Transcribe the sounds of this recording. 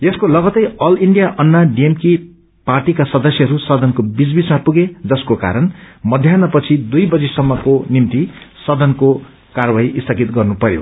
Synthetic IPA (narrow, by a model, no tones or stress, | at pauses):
eskolʌɡʌt̪ʌjʌliɳɖijaʔʌnːaɖiemki | parʈikasʌd̪ʌsjʌɦʌɾusʌd̪ʱʌnkobid͡zbismapuɡed͡zʌskoka̰ɾʌnmʌd̪ʱjanʌpʌt͡sʰid̪ujbʌd͡zisʌmːʌkonimt̪isʌd̪ʌnko | karbaiʔist̪ʰʌɡit̪ɡʌrnupʌɾjo̰